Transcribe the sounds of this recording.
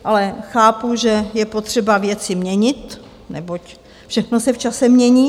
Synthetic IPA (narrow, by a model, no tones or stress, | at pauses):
ʔalɛxaːpuʒɛjɛpo̞t̪r̥ɛbavjɛt͡sɪmɲɛɲɪt̪ | nɛbo̞c | fʃɛxnosɛft͡ʃasɛmɲɛɲiː